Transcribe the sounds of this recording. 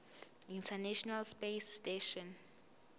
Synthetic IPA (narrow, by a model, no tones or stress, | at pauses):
intʰɛnɛʃɔnalspesteʃɔ̃n